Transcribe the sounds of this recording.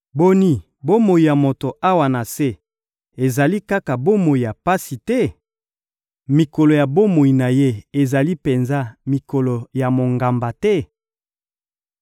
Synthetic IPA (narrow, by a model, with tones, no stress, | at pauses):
bo˦ni˦ | bo˦mo˨i˨ja˨mo˨to˨ʔa˦wa˨na˨se˦ | e˨za˨li˦ka˦ka˨bo˦mo˨i˨ja˨pa˦si˨tɛ˦ | mi˨ko˨lo˨ja˨bo˦mo˨i˨na˨je˦e˨za˨li˦pe˨nza˦mi˨ko˨lo˨ja˨mo˨ŋɡa˨mba˨tɛ˦